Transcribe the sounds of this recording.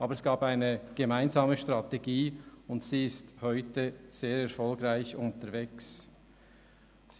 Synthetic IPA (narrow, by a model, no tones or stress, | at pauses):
ʔɑːbəɾɛsɡ̥aːbaɪnəɡ̥emaɪnzaːməʃtʁ̥ɑteɡiːʊntsiːɪsthɔʏtəz̥eːɾɛɐfɔlɡɾaɪçʊntəɾveːks